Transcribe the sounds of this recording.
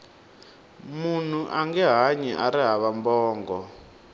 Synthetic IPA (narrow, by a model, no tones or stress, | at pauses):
mun̤uʔaŋɡɛɦaɲɛʔaɾiɦaβambɔːŋɡɔ